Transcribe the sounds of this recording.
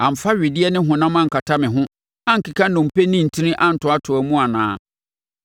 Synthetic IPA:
ã˨m̩˨fa˦ɥɪ˨dɪ˦ɛ˦nɪ̃˦ɦʊ̃˨nã˦mã˦ŋ̩˨kʰa˨tʰa˦mɪ̃˨ɦʊ̃˦ | ã˦ŋ̩˨ki˨kʰã˦nʊ̃˨m̩˨pe˦nĩ˦n̩˨tʰĩ˦nɪ̃˦ʔã˦n̩˨tʰʊ̃˨˦a˦tʰʊ˨æ˨mũ˦a˨nã̰ː˨˦

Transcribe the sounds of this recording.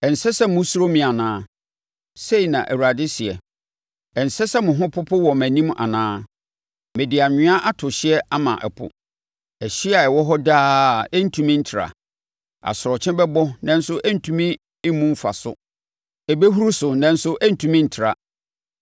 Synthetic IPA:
ɛ˨n̩˨sɛ˦sɛ˦mʊ̃˦su˦ɾo˦mĩ˨a˨nãː˦ | se˦i˨nã˨ʔæ˨wu˨ɾa˨dɪ˦si˨ɛ˨ | ɛ˨n̩˨sɛ˦sɛ˦mʊ̃˨ɦʊ̃˦pʰʊ˦pʰʊ˦wɔ˨mæ̃˨nĩ˦ma̰˨nãː˦ | mɛ̃˨dɪ˨a˨ɲɪ̃˦ã˦ʔa˦tʰʊ˨ɕɪ˦ɛ˦ʔa˦mã̰˨ʔɛ̰˨pʰʊ̰˨ | ɛ˨ɕi˦a˨ɛ˨wɔ˦ɦɔ˦daː˦˨ɛ˦n̩˦tʰũ˨mĩ˦n̩˦tʰɪ˨ɾa̰˨ | a̰˨sʊ˨ɾɔ˨t͡ɕʰɛ̃˦bɛ˦bɔ˦nã˨n̩˦sʊ˦ʔɛ˦n̩˨tʰũ˦mĩ˦ | mũ˦m˦fa̰˨sʊ̰˨ | ɛ˨be˦ɦu˦ɾu˦sʊ˨nã˨n̩˦sʊ˦ʔɛ˦n̩˨tʰũ˦mĩ˦n̩˨tʰɪ˨ɾa˨

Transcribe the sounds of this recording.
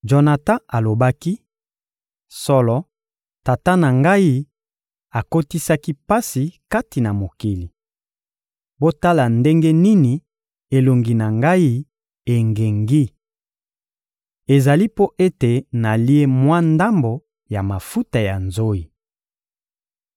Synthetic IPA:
d͡ʒo˨na˨tã˦a˨lo˨ba˦ki˦ | sɔ˦lɔ˦ | ta˨ta˦na˨ŋɡa˦i˦ | a˨ko˦ti˦sa˦ki˦pa˦si˨ka˦ti˨na˨mo˨ki˨li˨ | bo˦ta˦la˨nde˦ŋɡe˦ni˦ni˨ | e˨lo˨ŋɡi˨na˨ŋɡa˦i˦ | e˨ŋɡe˨ŋɡi˦ | e˨za˨li˦po˦ʔe˦te˨na˨li˦e˦mwa˦nda˦mbo˨ | ja˨ma˨fu˦ta˨ja˨nzo˦i˨

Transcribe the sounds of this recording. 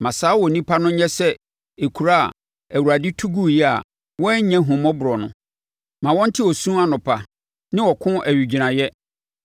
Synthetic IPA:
mã˨saː˨˦wɔ˨nĩ˦pʰa˦nʊ̃˦ɲɛ̃˦sɛ˦ | e˨kʰu˨ɾa̰˦˨ | æ˨wu˨ɾa˨dɪ˦tʰu˦ɡu˦jɛ˦a̰˨ | wɔ̃˦ɲɛ̃˦ɦũ˨mɔ̃˦bʊ˨ɾɔ˨nʊ̰̃˨ | mã˨wɔ̃˦n̩˦tʰɪ˦ɔ˨sũ˦a˦nʊ̃˨pʰa˨ | nɪ̃˦wɔ˨kʰʊ̃˦ʔæ˨ɥi˨d͡ʑi˨nã˨jɛ˦

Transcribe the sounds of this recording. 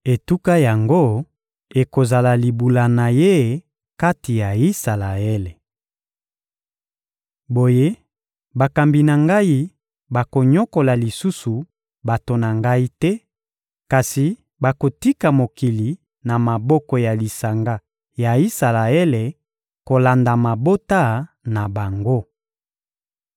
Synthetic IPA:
e˨tu˦ka˦ja˨ŋɡo˦ | e˨ko˨za˨la˨li˨bu˨la˨na˨je˦˨ | ka˦ti˨ja˨i˦sa˨la˨e˦le˨ | bo˨je˦ | ba˨ka˨mbi˨na˨ŋɡa˦i˦ | ba˨ko˨ɲɔ˦ko˨la˨li˨su˦su˨ | ba˨to˨na˨ŋɡa˦i˦tɛ˦ | ka˨si˨ | ba˨ko˨ti˦ka˨mo˨ki˨li˨ | na˨ma˨bɔ˦kɔ˨ja˨li˨sa˨ŋɡa˦ | ja˨i˦sa˨la˨e˦le˨ | ko˨la˨nda˨ma˨bo˦ta˦˨ | na˨ba˨ŋɡo˦

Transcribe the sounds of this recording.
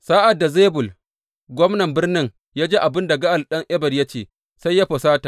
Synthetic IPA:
saː˦ʔa˨dːa˨zeː˦bʊ˨l | ɡʷɔ˦mnɐ˨mbɪ˦rnɪ˦ŋ | jaː˦d͡ʒeː˦ʔa˨bɪ˦nda˨ɡɐ˦ʔa˨lɗɐ˦ŋʔɛ˦bɐ˨rja˦t͡ʃeː˦˨ | sa˦jːa˦ɸɐ˨saː˦ta˨

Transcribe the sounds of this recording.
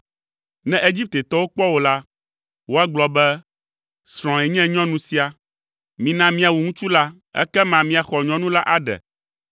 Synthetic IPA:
nɛ̃˦ʔe˦d͡ʑi˦p̚t̪e˨t̪ɔ˦wo˦k͡pɔ˦wo˦la˦ | wo˦a˦ɡ͡blɔ˨bɛ˦ | sɾ̃ɔ̃˨ɛ˨ɲɛ̃˦ɲɔ̃˦nũ˨si˦a˨ | mĩ˨nã˦mĩ˦a˨wu˨ŋũ˦t͡ʃu˦la˦ | ɛ̰˦kɛ˦mã˨mĩ˦a˨xɔ˨ɲɔ̃˦nũ˦la˦ʔa˦ɖɛ̰˨

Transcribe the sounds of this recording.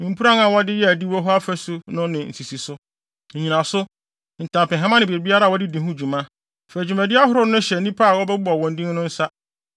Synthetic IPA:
nĩ˨m̩˨pʰu˦ɾã˦nã˨wɔ˦dɪ˦jɛ˦æ˨di˦wɔ˦ɦɔ˦a˦fæ˦sʊ˦nʊ̃˦nɪ̃˨n̩˨si˨si˨sʊ˦ | ɲ̩˨ɲĩ˨nã˨sʊ˦ | n̩˨tʰã˨pɪ̃˨ɦa˦mã˦nɪ̃˨bi˨e˨bi˦a˦ɾa˦˨wɔ˦dɪ˦dĩ˨ɦũ˦˨d͡ʑu˨mã˦ | fɛ˨æ˨d͡ʑu˨mæ̃˨dɪ˦a˦ɦʊ˦ɾʊ˦nʊ̃˦ɕɛ˨nĩ˦pʰaː˦˨wɔ˦bɛ˦bɔ˨wɔ̃˨ndĩ˦n˦nʊ̃˦n̩˦sa˦

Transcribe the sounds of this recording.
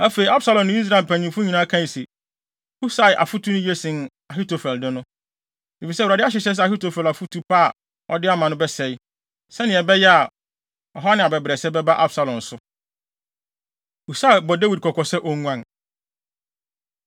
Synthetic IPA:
a˦fe˨i˨a˦bsa˨lɔ̃˨nːʊ̃˦i˦s̬ɾa˦˨lpʰæ̃˨ɲĩ˨fʊ˦ɲĩ˨nã˦kʰã˦˨se˨ | hu˦sa˦ɪ˨ʔa̰˨fu˦tʰu˦nʊ̃˦je˦sɪ̃˨n | a˨ɦi˦to˨fɛ˨ldɪ˦nʊ̃˦ | e˨fi˨sɛ˦˨a˨dɪ˦a˦ɕ̬ɪ˨ɕɛ˦s̬ɛ˦a˨hi˦to˨fɛ˨la˨fu˦tʰu˦pʰa˦˨ | ɔ̰˦dɪ˦a˦mã˨nʊ̃˦bɛ˦sɛ˨j | sɛ˦nɪ̃˨ɛ˨bɛ˦jɛ˦a˨ | ɔ˨ɦa˦nɪ̃˨a˨bɛ˨bɾɛ˨sɛ˦bɛ˦ba˦ʔa˦bsa˨lɔ̃˨n̩˨sʊ˦ | hu˨sa˦˨bɔ˨da˦wi˨d̚kʰɔ˨kʰɔ˨sɛ˦ʔɔ˦ŋũ˦ã˦˨n

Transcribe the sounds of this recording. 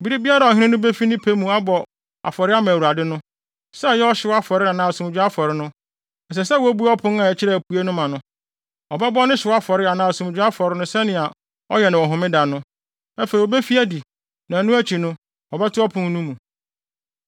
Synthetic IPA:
bi˦ɾi˦bi˦a˦ɾa˨ɔ˨ɪ̃˦ɪ̃˦nʊ̃˦be˦fi˦nɪ̃˦pʰe˦mũ˨a˦bɔ˨ | a̰˨fɔ˨ɾɪ˦a˦mã˨u˨a˨dɪ˦nʊ̃˦ | sɛ˦˨jɛ˦ɔ˦ɕɪ˦wɔ˦a˦fɔ˨ɾɪ˦a˨nãː˨sũ˨m˨d͡ʑᶣʊ˦a˦fɔ˨ɾɪ˦nʊ̃˦ | ɛ˨s̬ɛ˨s̬ɛ˦wæ˦bu˦ɔ˦pʰʊ̃˦na˨ɛ˨t͡ɕʰɪ˦ɾɛ˨pʰu˨e˦nʊ̃˦mã˨nʊ̃˦ | ɔ˨bɛ˦bɔ˦nɪ̃˦ɕɪ˨wa˦fɔ˨ɾɪ˦a˨nãː˨sũ˨m˨d͡ʑᶣʊ˦a˦fɔ˨ɾɪ˦nʊ̃˦sɛ˦nɪ̃˨a˨ | ɔ̰˦jɛ˨nã˨ɔ˨ɦʊ̃˨mɪ̃˦da˨nʊ̃˦ | æ˦fe˨ɾi˨ɔ˨be˦fi˦æ˦di˨ | nã˨nũ˦æ˦t͡ɕʰi˨nʊ̃˦ | ɔ˨bɛ˦tʰʊ˦ɔ˦pʰʊ̃˦n˦nũ˦mũ˨

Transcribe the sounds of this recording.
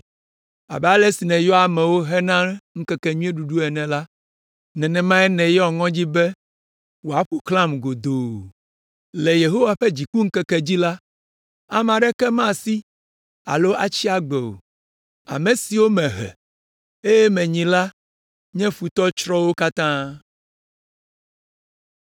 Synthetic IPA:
a̰˨bɛ˨a˦lɛ˦si˨nɛ̃˨jɔ˦a˨mɛ̃˨wo˦ɦɛ˦nã˦ŋ̩˦kɛ˦kɛ˨ɲũ˦e˦ɖu˨ɖu˦ɛ˨nɛ̃˨la˦ | nɛ̃˨nɛ̃˨mã˦ɛ˦nɛ̃˨jɔ˨ŋɔ̃˦d͡ʑi˦bɛ˦ | wo˨a˨ɸu˦klã˦mɡo˨d̪o˨ | lɛ˨je˨ɦo˦wa˨ɸɛ˦d͡ʑi˨k͡pu˦ŋ̩˦kɛ˦kɛ˦d͡ʑi˦la˦ | a˨mã˨ɖɛ˦kɛ˦mã˦˨si˦ | a̰˨lo˦ʔa˨t͡ɕi˦a˦ɡ͡bɛ˨o̰˨ | a̰˨me˨si˨wo˦mɛ̃˨ɦɛ̰˨ | e˦jɛ˦mɛ̃˨ɲĩ˨la˦ | ɲɛ̃˦ɸu˨t̪ɔ˦t͡ʃɾɔ˦wo˦ka˦t̪ã˦

